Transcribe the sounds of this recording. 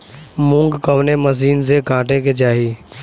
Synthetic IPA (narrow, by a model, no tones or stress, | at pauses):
mũːŋɡkəʋneməs̬iːnzeːɡʱãːʈeked͡ʒaːɦiː